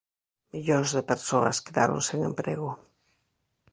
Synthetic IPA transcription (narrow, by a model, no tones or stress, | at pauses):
miʎonzðepeɾsoaskeða̰ɾo̰nseŋḛ̃mpɾeɣo